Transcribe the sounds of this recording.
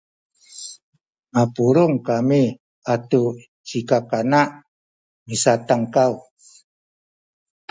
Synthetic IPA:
mapuɾuŋkami | atu | t͡ʃikakanaʔ | misat̪aŋkaw

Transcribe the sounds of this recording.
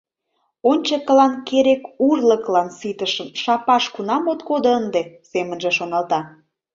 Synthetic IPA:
onʲt͡ɕəkəlɑnkeɾekurləklɑnsit̪əʃə̆mʃɑpɑʃkunɑmot̪kod̪oənd̪esemənʒĕʃonɑlt̪ɑ

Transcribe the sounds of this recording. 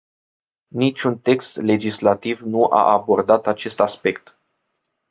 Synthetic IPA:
nit͡ʃʲunt̪e̞kst̪le̞d͡ʒislat̪ivnuʔa̰ʔabo̞rd̪at̪at͡ʃe̞st̪aspe̞kt̪

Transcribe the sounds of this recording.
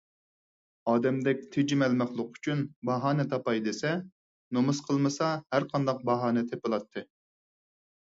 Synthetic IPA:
ɑːd̪ɛmd̪ɛk̚ʲt̪ʰed͡ʒimɛlmæχlˠʊqy̥t͡ʃʰynbɑɦɑːnɨt̪ʰɑpɑjd̪esɛ | nomɨsqʰəlˠmɨsɑhæɾqʰɑnd̪ɑq̚bɑɦɑːnɨt̪ʰepɨlˠɑt̪ʰːɨ

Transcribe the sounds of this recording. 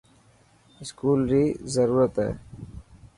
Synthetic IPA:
ɪskuːlɾizəɾuːɾət̪ḛː

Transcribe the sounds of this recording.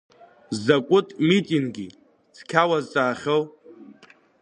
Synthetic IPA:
zakʷʼʊtʼmitʼiŋɡʲi | t͡sʰkʲʰawazt͡sʼaːχʲow

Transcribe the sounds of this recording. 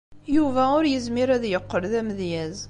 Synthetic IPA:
juvæʊɾjəzmiɾæðjəqːəɾðæməðjæz

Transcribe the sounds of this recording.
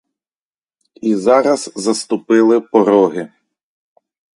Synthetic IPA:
izɑɾɐzzɐst̪ʊpɪlˠɪpɔɾɔɦɪ

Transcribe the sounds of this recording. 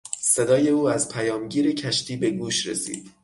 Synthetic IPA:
se̞d̪ɒːje̞uːæzpʰæjɒːmɟiːɾecʰæʃt̪ʰiːbe̞ɡuːʃɾḛsḭːd̪̥

